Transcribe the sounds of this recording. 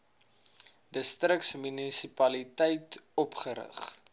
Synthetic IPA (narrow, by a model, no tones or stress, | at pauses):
dəstrəksmynisipɐlitɛjtɔpχəɾə̰χ